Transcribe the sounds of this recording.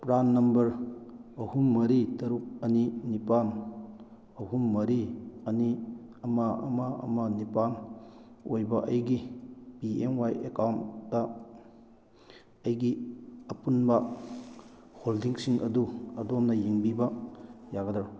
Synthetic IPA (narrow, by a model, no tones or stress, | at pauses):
pɾanːɐmbɐɾɐhumːɐɾitɐɾuk̚ɐninipan | ɐhumːɐɾiɐniɐmaɐ̰maɐ̰manipan | ojbɐʔɐjɡipienwajekawndɐ | ɐjɡiɐpunbɐ | holdiŋsiŋʔɐ̰duɐdɔmnɐjiŋbibɐjaɡɐdaɾ